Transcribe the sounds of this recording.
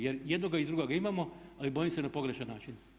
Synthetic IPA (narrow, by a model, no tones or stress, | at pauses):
jeɾjed̪noɡaid̪ɾuɡoɡaimamo̞alibo̞jimse̞napo̞ɡɾe̞ʃanːaːt͡ʃin